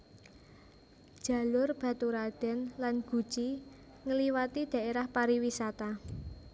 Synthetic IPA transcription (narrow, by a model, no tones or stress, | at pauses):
d̥ʒ̥a̤lʊrb̥ä̤t̪uɾad̪̥ɛ̤nlanɡ̥ṳd̥ʒ̥i | ŋəliwat̪id̪̥a̤ʔeɾahpaɾiwisat̪a